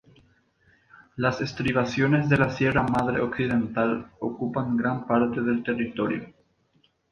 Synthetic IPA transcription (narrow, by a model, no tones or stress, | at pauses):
lasest̪ɾiβasjo̞ne̞zðe̞lasje̞ramaðɾeoksiðe̞nt̪alokupaŋɡɾanpaɾt̪e̞ðe̞lt̪e̞rit̪o̞ɾjo